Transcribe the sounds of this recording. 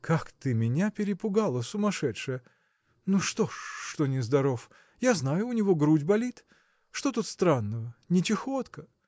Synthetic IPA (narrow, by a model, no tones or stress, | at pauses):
kʰakt̪ɨmʲɪnʲapʲɪɾʲɪpʊɡalˠəsʊmɐʂɛtʂɨjə | nuʂt̪oʂːt̪onʲɪzd̪ɐɾof | jaznajʊːnʲɪvo̞ɡɾudʲbɐlʲit̪ | ʂt̪ot̪ut̪st̪ɾanːəvənʲɪtʲɪxot̪kə